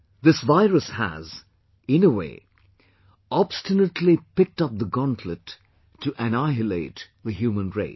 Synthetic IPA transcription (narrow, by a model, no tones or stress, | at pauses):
ðɪsvaɪɹəshæ̰z | ɪ̃nəwḛɪ | ɑb̥stɨnətʰlipɪk̚tʌp̚ðəɡɑ̃ntʰlɨtʰː | ɨʔɨnaɪɨleɪtðɨɦjʉmə̃nɹḛɪ